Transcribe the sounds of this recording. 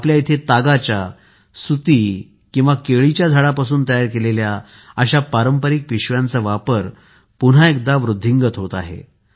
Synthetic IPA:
apljait̪ʰet̪aɡat͡ɕja | sut̪i | kĩw̃ʋakeɭit͡ɕjad͡zʱaɭapasuːnt̪əjaɾkelelja | əɕapaɾəmpəɾik̚piɕʋjant͡səʋapəɾ | pun̤aekd̪aʋɾud̪ʱːiŋɡət̪ɦot̪a̰ɦḛ

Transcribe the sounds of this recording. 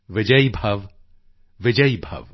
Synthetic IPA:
ʋɪd͡ʒəibʱɐʋ | ʋɪd͡ʒəibʱɐ̰ʋ

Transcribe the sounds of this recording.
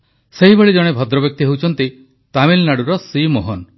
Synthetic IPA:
seɦibeɭid͡ʒɔɽ̃ebʱɔd̪ɾɔbjɔk̚t̪iɦewt͡ʃʰɔnt̪i | t̪amilnaɽuɾɔsimoɦɔn

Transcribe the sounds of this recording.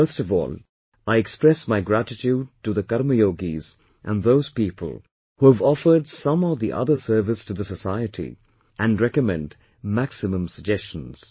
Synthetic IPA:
fə˞stvɔ̰ːlˠ | aɪɨkspɹɛsmaɪɡɹæɾɨtʰud̚tɨðəkʌɾməjoɡiz | ʔə̃nðoʊz̥pipʰə̰l̩ˠ | huəvɔfə˞dsʌ̃məvðiʔʌ̰ðə˞sɜ˞vɨstɨðəsəsaɪɨɾḭ | ʔɨ̃nɹɛkɨmɛ̰̃nd | mæksɨmə̃msəɡ̚d͡ʒɛst͡ʃə̃n̩z̥

